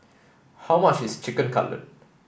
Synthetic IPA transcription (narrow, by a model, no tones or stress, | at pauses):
haʊmat͡ʃist͡ʃɪkə̃nkʰʌ̰lə̰d̚